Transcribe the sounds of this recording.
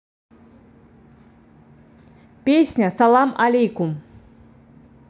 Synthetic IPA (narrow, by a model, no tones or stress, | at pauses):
pʲesʲnʲɐsalˠamalʲejkum